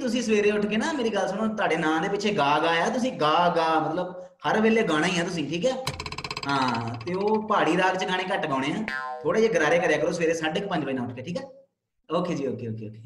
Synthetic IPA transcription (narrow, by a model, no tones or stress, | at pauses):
t̪ʊsĩːsəʋeːɾeːʊʈʰkeːnaːmeːɾiːɡəlsənõːt̪ʊwaːɖeːnãːd̪eːpɪt͡ʃʰeːɡaːɡaːjaːt̪ʊsĩːɡaːɡaːmət̪ləb | həɾʋeːleːɡaːɽ̃aːiːɦãːt̪ʊs̬ĩːʈʰiːkɛːɦãːt̪eːoːpaːɽiːɾaːkt͡ʃɡaːɽ̃ẽːkəʈɡãːɽ̃eːãːt̪ʰoːɽeːd͡ʒeːɡəɾaːɾeːkəɾeːkəɾoːsəʋeːɾeːsaːɖɪk̚pə̃ɲd͡ʒbaːiːnãːʊʈʰkeːʈʰiːkɛː | oːkʰeːd͡ʒiːoːkʰeːoːkʰeːʊʈʰːeː